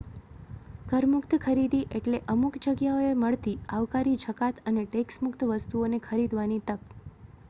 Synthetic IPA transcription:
kəɾmʊkt̪kʰəɾid̪iʔeʈleʔəmukd͡ʒəɡjaoeməɭt̪iaʋkaɾit͡ʃʰəkat̪əneʈeksmʊkt̪ʋəst̪uonekʰəɾid̪ʋanit̪ək

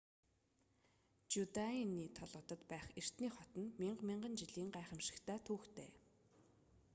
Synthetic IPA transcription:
t͡ɕut̪ainiːt̪ʰɔɮʁɞ̆t̪ə̆t̪pæːχer̥t̪niːχɔt̪ɞ̆nmiɴɢmiɴɢə̆nt͡ɕiɮiːŋɢæːχə̆mʃɪ̆kt̪ʰæːt̪ʰuːxt̪ʰḛː

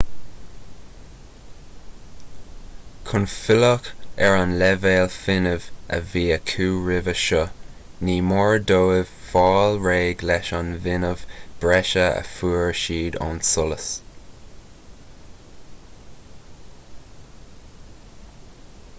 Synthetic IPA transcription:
kʰʊnfɪlɔkɛɹanlɛveːlfɪnəvə̰viːəkʰuːɹɪvəʃə | niːmɔɹdoːɪv̥fɑːlɹeːɡlɛʃɑnvɪnəv̥b̥ɹɛʃəə̰fuːɹʃiːd̪ɑ̰nsʊləs

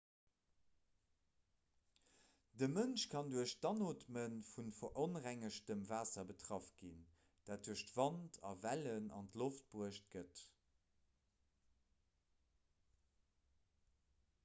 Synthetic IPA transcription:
dəmənʃkʰɑnduəɕdɑnoːtmənfunfɐʔonʁæŋəʃtəmvaːsɐbətʰʁɑfɡ̥in | d̥aːt̚d̥uəɕtv̥ɑntʰɑ̰vælənɑ̰ntloft̚b̥uəʃt̚ɡ̥ət

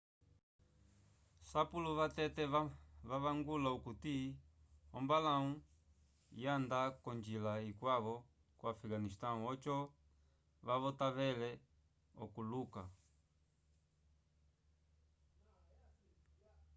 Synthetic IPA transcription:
sapuluʋatɛtɛʋaβaŋɡulaukuti | ɔmbalau | jandakɔɲd͡ʒilaikwaβɔ | kwafiɡanistaũɔt͡ʃɔ | ʋaβɔtaβɛlɛ | ɔ̰kuluka̰

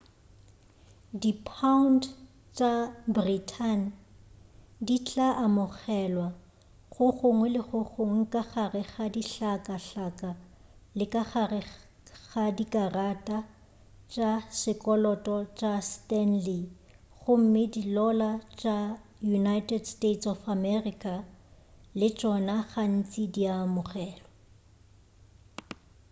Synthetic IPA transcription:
dipʰaʊnt | t͡ʃʼabritʰan | dit͡ɬʼaʔamʊɣɛlwa | χʊχʊŋwɛlɪχʊχoŋ̩kʼaχarɪχadiɬakʼaɬakʼalɪkʼaχarɪ | ɣadikʼaratʼa | t͡ʃʼasɪkʼɔlɔtʼɔt͡ʃʼastɛnli | ɣʊm̩mɪdilɔlat͡ʃʼajunajtʼɛdstetsɔfamɛrikʼa | lɪt͡ʃʼɔnaɣan̩t͡sʼidiamʊχɛːlɔ

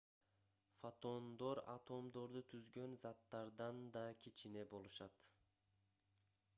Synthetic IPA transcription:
fot̪o̞nd̪o̞ɾa̰t̪ʰo̞md̪o̞ɾd̪ut̪ʰyzɡø̞nzɑt̪ːɑɾd̪ɑnd̪ɑkʲʰit͡ʃine̞bo̞lˠuʃɑt̪

